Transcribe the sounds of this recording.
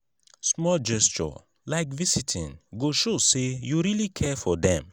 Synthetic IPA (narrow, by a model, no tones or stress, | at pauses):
smɔld͡ʒɛst͡ʃɔ̰ | laɪkvisitʰḭ̃ŋɡoʃosejuɹilikʰɛfɔdɛ̰̃m